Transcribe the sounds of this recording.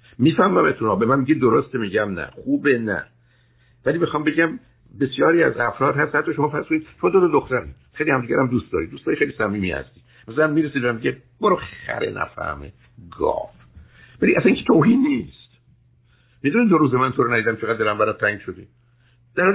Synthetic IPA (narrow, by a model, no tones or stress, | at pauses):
miːfæhmæmet̪ʰunɒːbe̞mænmiɟed̪oɾost̪emiɟæmnæ̰χuːbenæ̰ | væliːbexɒːmbe̞ɟæm | be̞sjɒːɾiːæ̰zæfɾɒːd̪hæst̪hæt̪ːɒːʃomɒːfæɾskonid̪̚ʃomɒːd̪od̪od̪oxt̪æɾḭ | xejlihæmd̪iːɟæɾæmd̪uːst̪d̪ɒːɾid̪ustd̪ɒːɾixelisæmiːmihæ̰st̪iː | mæsælænmiːɾesid̪væmiɟe | b̥oɾoxæ̰ɾḛnʔæ̰fæ̰hmḛ | ɡɒ̰ːf | væliʔæsæniŋkʰet̪ʰoːɦiːnːiːst̪ | mid̪uniːd̪oɾuːzemænt̪ʰoɾnæd̪id̪æmt͡ʃʰeɣæd̪ːeɾæmbæɾæt̪̚t̪ʰæĩŋɡʃod̪ḭː | d̪̥æɾɔ